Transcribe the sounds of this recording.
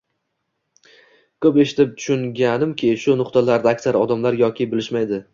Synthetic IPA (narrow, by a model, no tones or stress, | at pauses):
kʰɵpe̞ʃɪt̪ʰɪp̚t̪ʰʊ̥ʃʊŋɡʲanɪmkʲʰɪʃʊnʊqt̪alaɾd̪aakʲsaɾɒd̪amlaɾjɒkʲʰɪbɪlɪʃmajd̪ɪ